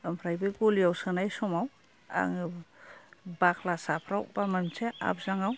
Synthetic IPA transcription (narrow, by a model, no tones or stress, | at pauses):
ɯmpʰɾajbɯɡulijawsɯnajsɔmaw | a̰ŋɯ | bakʰlasapʰɾawbamamt͡ʃʰea̰p̚ʰz̥aŋaw